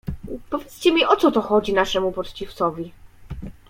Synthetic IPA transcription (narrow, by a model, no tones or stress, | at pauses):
pɔvʲjɛt̪st͡ɕɛmʲiʔɔt̪sɔt̪ɔxɔd͡ʑinaʂɛmupɔt̪t͡ɕift̪sɔvʲi